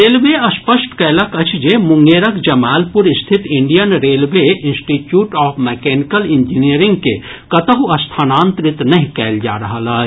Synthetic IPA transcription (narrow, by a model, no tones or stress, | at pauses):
ɾeːlʋeɐspəsʈkɛːlɐkɐt͡ʃʰd͡ʒemʊ̃ŋɡeːɾəkd͡ʒɐmaːlpʊɾɪst̪ʰɪt̪ɪɳɖijənɾeːlʋeɪ̃nsʈiːʈjuːʈɔːpʰmɛkɛːnɪkəlɪ̃ɲd͡ʒinijəɾɪ̃ŋɡ̚ke | kɐt̪əɦuɐst̪ʰaːnãːnt̪ɾɪt̪nɐɦĩkɛːld͡ʒa̰ːɾɐɦəlaː